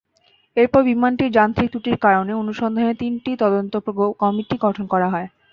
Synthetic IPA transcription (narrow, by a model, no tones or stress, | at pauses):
eɾpɔɾbimanʈiɾd͡ʑant̪ɾit̪uʈiɾkaɾoneonuʃɔnd̪ʱanet̪inʈit̪ɔd̪ont̪ookɔmiʈiɡɔʈʰonkɔɾaɦɔe